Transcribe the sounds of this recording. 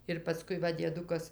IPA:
ɪr pɐˈskʊɪ ˈʋɐ dʲiɛˈdʊkɐs

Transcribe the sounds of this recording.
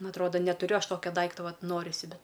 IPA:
ˈnʊ ɐtˈroːdɐ nʲɛtʊˈrʲʊ ˈɐʃ ˈtoːkʲɛ ˈdɐɪktoː ˈʋɐt ˈnoːrʲɪsʲɪ ˈbʲɛt

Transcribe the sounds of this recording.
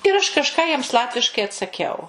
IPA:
ɪr ˈɐʃ kɐʃˈkɑː jiɛms ˈlˠɑːtʲʋʲɪʃkɐɪ ɐtsɐˈkʲɛʊ

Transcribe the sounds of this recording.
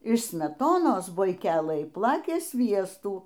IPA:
ɪʃ sʲmʲɛˈtoːnoːs bʊɪˈkʲæːlˠɘj ˈplˠɑːkʲeː ˈsʲʋʲiɛstuː

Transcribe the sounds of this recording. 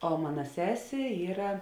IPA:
oː ˈmɑːnɐ ˈsʲæːsʲeː ˈiːrɐ

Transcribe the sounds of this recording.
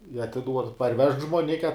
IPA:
ɪ ɐtʲɪˈduɔt pɐrʲˈʋʲɛʃk ʒmoːˈnʲɪkʲɛ

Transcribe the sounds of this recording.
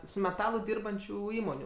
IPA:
sʊ mʲɛˈtɑːlˠʊ ˈdʲiːrbɐnʲt͡ʃʲuː ˈiːmoːnʲuː

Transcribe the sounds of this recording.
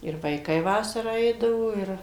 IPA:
ɪr ʋɐɪˈkɐɪ ˈʋɑːsɐrɑː ˈɛɪdɐʋoː ˈɪr

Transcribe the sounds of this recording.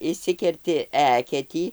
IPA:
ɪʃʲˈsʲɪkʲɛrʲtʲɪ ˈæːkʲɛtʲiː

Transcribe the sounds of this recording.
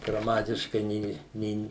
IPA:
ɡrɐˈmɑːtʲɪʃkɐɪ ˈnʲeː ˈnʲeːn

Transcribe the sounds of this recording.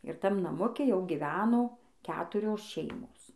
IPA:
ɪr ˈtɐm nɐˈmʊkʲɛ ˈjɛʊ ɡʲɪˈʋʲæːnoː ˈkʲæːtʊrʲoːs ˈʃʲɛɪmoːs

